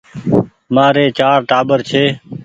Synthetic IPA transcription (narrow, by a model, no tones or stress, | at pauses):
maːɾeːt͡ʃaːɾʈaːbəɾt͡ʃʰeː